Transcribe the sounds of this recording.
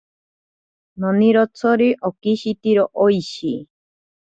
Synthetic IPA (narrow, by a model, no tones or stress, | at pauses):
noniɾot͡sʰoɾiʔokiʃit̪iɾoʔoiʃi